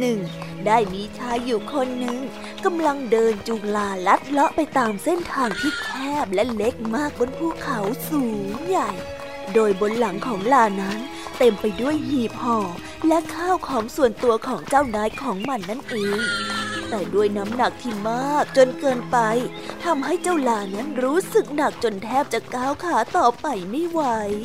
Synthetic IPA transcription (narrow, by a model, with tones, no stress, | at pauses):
nɯ˨˩ŋdaː˥˩jmiː˧t͡ɕʰaː˦˥uː˨˩kʰo˧nːɯ˨˩ŋ | ka˧mla˧ŋdɤː˧nt͡ɕuː˨˩ŋlaː˧˩la˦˥t̪̚lɔ˦˥ʔpa˧jt̪aː˧mse˥˩nt̪ʰaː˧ŋt̪ʰiː˦˥˩t̪ʰɛː˥˩p̚lɛ˦˥ʔle˦˥k̚maː˥˩k̚bo˧npʰuː˧˥˩kʰa˨˦wsuː˨˦ŋja˨˩j | doː˧jbo˧nla˩˦ŋkʰɔː˩˦ŋlaː˧˩na˦˥n | t̪e˧mpa˧jdu˥˩əjhiː˨˩p̚hɔː˧˩ | lɛ˦˥ʔkʰaː˥˩wkʰɔː˩˦ŋsu˨˩ənt̪u˧ɐkʰɔː˩˦ŋt͡ɕaː˥˩wnaː˦˥jkʰɔː˩˦ŋma˧nːa˦˥˩nʔɯː˨˩˦ŋt̪ɛː˨˩du˥˩əjna˦˥mna˨˩k̚t̪ʰiː˥˩maː˥˩k̚t͡ɕo˧nkɤː˧npa˧j | t̪ʰa˧mɦa˥˩jt͡ɕa˥˩wlaː˧˩na˦˥nɾuː˦˥sɯ˨˩k̚na˨˩k̚t͡ɕo˧nt̪ʰɛː˥˩p̚t͡ɕa˨˩kaː˧˥˩wkʰaː˩˦t̪ɔː˨˩pa˧jma˥˩jwa˦˥j